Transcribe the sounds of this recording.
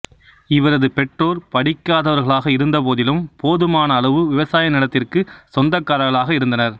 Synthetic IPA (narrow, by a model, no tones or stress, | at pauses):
ɪʋɐɾɐðɯpɛʈroːɾpɐɽɪkːaːðɐʋɐɾɣɐɭaːɣɐɪɾɯnd̪ɐp̬oːðɪlɯmpoːðɯmaːnɐːɭɐʋɯʋɪʋɐsaːjɐnɪɽɐt̪ːɪrkɯsɔnd̪ɐkːaːɾɐɣɐɭaːɣɐɪɾɯnd̪ɐnɐɾ